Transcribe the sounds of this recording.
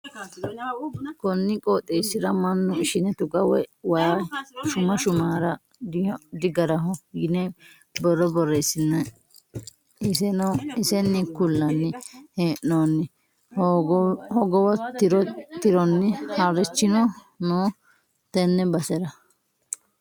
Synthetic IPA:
kɔnːɪkʼoːt̪ʼːeːsːɪɾɐmɐnːʊɪʃɪnɛt̪ʊɡɐwɛwaːʃʊmɐʃʊmaːɾɐ | d̪ɪɡɐɾɐɦɔɡɪnɛ | bɔrːɔbɔrːesɪnːɛ | ɪsɛnɔɪsɛnːɪkʊlːɐnːɪheːʔːoːnːɪ | hɔɡɔwɐt̪ɾt̪ɪɾɔnːɪhɐɾɛt͡ʃːɪnɔ | noː | t̪ɛnːɛbɐsɛɾɐ

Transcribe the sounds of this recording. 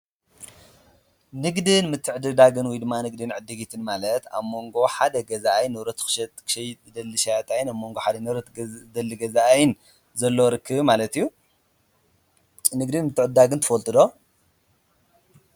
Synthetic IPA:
nɨɡd̪ɨnmɨt̪ʰːɨʕɨd̪ɨd̪aɡɨnwɔjd̪ɨmːanɨɡd̪ɨnʕɨd̪ːɨɡit̪ʰɨnmalɐt̪a̰βmo̞ŋɡo̞ħad̪ɐɡɐzaʔajnːɨβɾɐt̪ʰkɨ̥ʃɛt̪kʰʃɐjd̪ɐlːɨʃajat̪ʼajnaβmo̞ŋɡoħad̪ɐnɾd̪ɐlːiɡɐzaʔajn | zɐlːoɾɨkʰːɨβmalɐt̪ijːu | nɨɡd̪ɨnmɨt̪ʰːɨʕd̪ːaɡɨnt̪ʰɨfɐlt̪ʼɨd̪o̞

